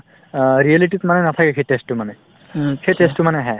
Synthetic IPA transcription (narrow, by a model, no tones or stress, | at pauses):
ɹiɛliʈ̬ikmanɛnat̪ʰakɛkʰetestumanɛ | kʰetesʈumanɛɦɛ